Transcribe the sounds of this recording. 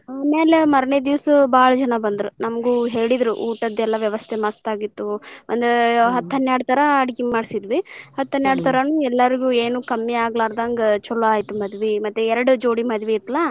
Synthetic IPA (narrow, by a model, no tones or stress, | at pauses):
aːmeːlemɐɾɐɳed̪iʋɐsɐbaːɭɐd͡ʒɐnɐbɐnd̪ɾunɐmɐɡuɦe̞ːɭid̪ɾuʔuːʈɐd̪ɛlːɐʋjɐʋɐst̪ʰemɐst̪aːɡit̪ːuɐ̰nd̪eɦɐt̪ːɦɐnːjaːɽt̪ʰɐɾɐːɽikimaːɽisid̪ʋihɐt̪ːɐnjaːɽt̪ʰɐɾɐnuːɛlːɐɾiɡue̞ːnuːkɐmːiaːɡɐlaːɾd̪aːŋɡɐt͡ʃɔlːoaːjit̪umɐd̪ʋimɐt̪ːuɛɾɐɽud͡ʒoːɽimɐd̪ʋiːt̪ːɐlːa